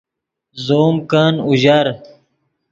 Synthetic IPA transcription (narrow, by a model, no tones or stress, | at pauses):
zoːmkaːnuʑɐɾ